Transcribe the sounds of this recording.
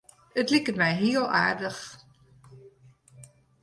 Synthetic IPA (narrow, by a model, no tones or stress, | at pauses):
ətliktmɛjɦiːlˠa̰ːɹdəx